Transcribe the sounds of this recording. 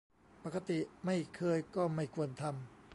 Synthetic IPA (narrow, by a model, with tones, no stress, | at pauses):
pa˨˩ka˧t̪i˨˩ma˥˩jkʰɤː˧jkɔː˥˩ma˥˩jkʰu˧ənt̪ʰa˧m